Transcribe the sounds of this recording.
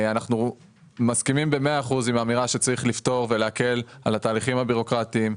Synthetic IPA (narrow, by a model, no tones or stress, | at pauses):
anaχnu | maskimimbe̞meaːχuzimamiʁaʃet͡saʁiχlift̪o̞ʁve̞leake̞lalhat̪aːliχimhabiʁo̞kʁat̪iːm